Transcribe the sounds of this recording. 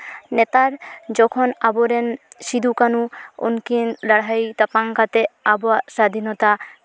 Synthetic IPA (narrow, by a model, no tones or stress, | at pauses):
net̪aɾd͡ʑɔkʰonaboɾenʃid̪ʱukanuo̰nkinɾaɽ̤ajt̪apaŋkat̪eaboaʃad̪ʱinɔt̪a